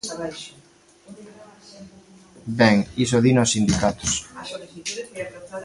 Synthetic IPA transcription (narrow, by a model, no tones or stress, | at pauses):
bɛŋis̬oðinosind̪ikat̪ʊs